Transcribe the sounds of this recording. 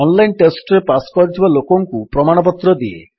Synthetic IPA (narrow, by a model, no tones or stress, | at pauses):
ɔnlajnʈesʈɾepasɔ̥kɔɾit̪ʰibalokɔŋkupɾɔmaɽ̃ɔp̬ɔt̪ɾɔd̪ie